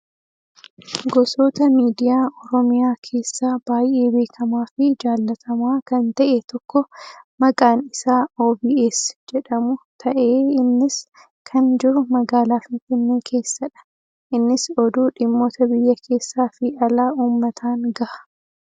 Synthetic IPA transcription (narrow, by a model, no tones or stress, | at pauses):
ɡɔso̞ːt̪ɐmiːd̪ɪjaːʔɔɾɔmɪjaːkʰe̞ːsːaːb̥aːjʔe̞ːbe̞ːkʰɐmaːfɪd͡ʒaːlːɐt̪ʰɐmaːkɐnt̪ɐʔeːt̪ɔkːɔmɐkʼaːnɪsaːoːbiːʔesd͡ʒɛᶑɐmʊt̪ʰɐʔeːɪnːɪs | kʰɐnd͡ʒɪɾʊmɐɡaːlaːfɪnfɪnːeːkʰe̞ːsːɐᶑɐ̥ | ʔɪnːɪsɔd̪uːᶑɪmːo̞ːt̪ɐbɪjːɐkʰe̞ːsːaːfɪʔɐlaːʔuːmːɐt̪ʰaːnɡɐʔɐ̥